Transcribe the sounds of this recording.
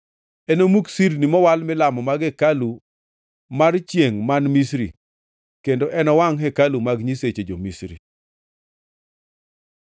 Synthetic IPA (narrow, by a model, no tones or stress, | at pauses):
ɛnomuksiɾnimɔwalmɪlamɔmaɡɛkalu | mart͡ʃjeŋmanmisɾi | kendoʔɛnɔwaŋɦɛkalumaɡɲiset͡ʃed͡ʒomisɾḭ